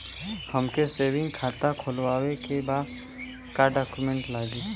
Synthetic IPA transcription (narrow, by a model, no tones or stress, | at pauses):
həmkeseːwɪ̃ŋɡkʰaːt̪akʰoːlwaːwekebaːd̪ | kaɖaːkjumẽɳʈlaːɡiː